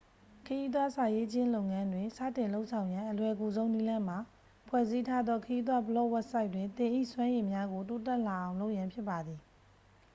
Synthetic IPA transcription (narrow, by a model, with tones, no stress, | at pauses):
kʰəji˦d̪wa˦sa˨je˦ʔt͡ɕʰɪ̃˦lo˦ʊ̃ŋã˦ndwɪ̃˨sä̰˦˨tɪ̃˨nlo˦ʊʔsʰã˨ʊ̃jã˦ʔəlwɛ˨ɡu˨zõ˦ʊ̃ni˦lã˦m̥a˨ | pʰwɛ˦˨zi˦tʰa˦d̪ðɔ˦kʰəji˦d̪̬wa˦bəlɔ˦ʔwɛ˦t̚sa˦ɪtwɪ̃˨nt̪ɪ̃˨ʔḭ˦˨swã˦je˨mja˦ɡo˨to˦tɛ˦ʔla˨ʔã˨ʊ̃lo˦ʊʔjã˨mpʰjɪ˦pːa˨d̪ði˨